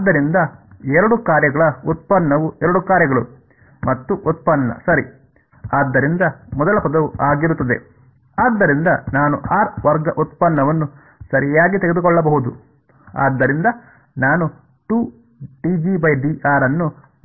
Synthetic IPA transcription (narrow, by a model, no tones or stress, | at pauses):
aːd̪ːɐɾind̪ɐɛɾɐɽukaːɾjɐɡɐɭɐut̪̚pɐnːɐʋuɛɾɐɽukaːɾjɐɡɐɭu | mɐt̪ːuʔut̪̚pɐnːɐ̰sɐɾḭ | aːd̪ːɐɾind̪ɐmɔd̪ɐlɐpɐd̪ɐʋuʔaːɡiɾut̪ːɐd̪e̞̰ | aːd̪ːɐɾind̪ɐnaːnuaːɾʋɐɾɡɐʔut̪̚pɐnːɐʋɐnːu | sɐɾijaːɡit̪eɡed̪ukɔɭːɐbɐɦud̪u | a̰ːd̪ːɐɾind̪ɐ | naːnu | ʈuː | ʈid͡ʒibɐjɖiaːɾɐnːu